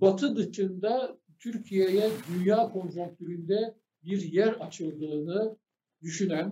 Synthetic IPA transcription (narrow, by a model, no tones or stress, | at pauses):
bat̪ʰɯd̪ɯt͡ʃɯnd̪a | t̪ʰyɾcʰijejɛd̪ynjaːkʰo̞nʒukk̚t̪ʰyɾynd̪ɛ | biɾjæɾat͡ʃʰɯlˠd̪ɯːnɯ | d̪yʃynæn